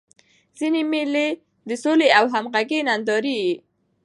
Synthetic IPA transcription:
z̥inemele | d̪əsoleawɦamɣaɡenand̪ɑɾi

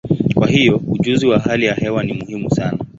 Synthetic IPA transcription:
kwahijɔuʄuziwaɦalijahɛwanimuhimusana

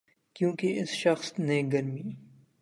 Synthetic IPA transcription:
kjõːkeʔɪsʃɐxsneɡɐɾmiː

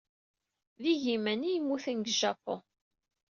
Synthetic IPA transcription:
ðiʝimænijmːuθənɡʒɑkːo̰

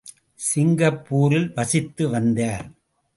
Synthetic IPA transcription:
sɪŋɡɐpːuːɾɪlʋɐsɪt̪ːɯʋɐnd̪aːɾ

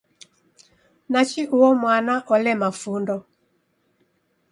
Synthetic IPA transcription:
nat͡ʃiʔuɔmwanaʔɔlɛmafundɔ

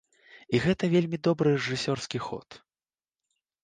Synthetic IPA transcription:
iɣɛt̪ɐvʲelʲmʲid̪ɔbɾɨrɛʐɨsʲɔrskʲixɔ̰t̪

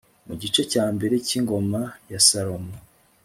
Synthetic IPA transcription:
muɟit͡ʃe̞caːmbe̞ɾeciŋɡo̞majasaɾomo

